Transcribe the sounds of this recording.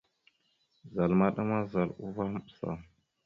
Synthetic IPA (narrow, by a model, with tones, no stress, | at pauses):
za˨lma˦ɗa˦ma˦za˨lu˦va˦m˦ɓsa̰˨